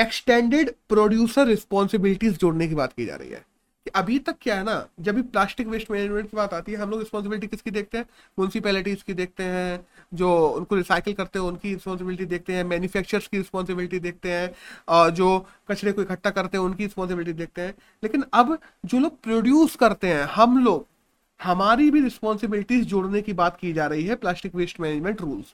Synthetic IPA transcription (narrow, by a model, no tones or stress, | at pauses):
eksʈɛ̃ːɳɖeɖpɾoːɖjuːsəɾːɪspɔːnsɪbɪlɪʈizd͡ʒoːɽnek̬iba̰ːt̪kḭd͡ʒa̰ːɾə̰ɦḭɦɛ̰ː | kiʔɐbʱit̪ɐkːjaɦɛnad͡ʒɐbʱiplaːsʈɪkʋɪsʈmɛːned͡ʒmẽɳʈkibaːt̪aːt̪iɦɛɦɐ̃mloːɡɾɪspɔ̃ːnsɪbɪlɪʈ̬ikɪskid̪eːk̚t̪eɦɛ̃ː | mjʊnɪsɪpɛːlɪʈiːzkid̪eːk̚t̪eɦɛ̃ːd͡ʒoːʊnkoɾɪsaːɪkəlkɐɾt̪eɦɛ̃ʊnkiɾɪspɔːns̬ɪbɪlɪʈid̪eːk̚t̪eɦɛ̃ːmɛːnjufɛːk̚t͡ʃəɾskiɾɪspɔːnsɪbɪlɪʈid̪eːk̚t̪eɦɛ̃ːɔːd͡ʒoː | kɐt͡ʃɽekoːikʰɐʈːakɐɾt̪eɦɛ̃ʊnkiɾɪspɔːns̬ɪbɪlɪʈ̬id̪eːk̚t̪eɦɛ̃ː | leːkɪnɐb | d͡ʒoːloːɡ̚pɾoːɖjuːskɐɾt̪eɦɛ̃hɐmloːɡ̚ | hɐmaːɾibʱiɾɪspɔːnsɪbɪlɪʈizd͡ʒʊːɽnekibaːt̪kid͡ʒaːɾɐɦiɦɛplaːsʈɪkʋɪsʈmɛːnɪd͡ʒmẽɳʈɾuːlz̥